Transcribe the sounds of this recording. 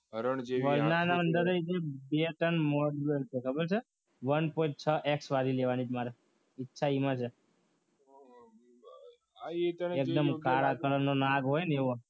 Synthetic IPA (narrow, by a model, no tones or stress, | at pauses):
əɾəɳd͡ʒʋəɾnanaənd̪əɾed͡ʒebeʈənmoɖbəlt͡ʃʰekʰəbəɾt͡ʃʰe | ʋənpoĩʈ̚t͡ʃʰəʔeksʋaɾileʋanid͡ʒmaɾe | ɪtːʃʰaimãt͡ʃʰe | t̪ek̚d̪əmkaɭakəɭənːonaɡɦojneʋo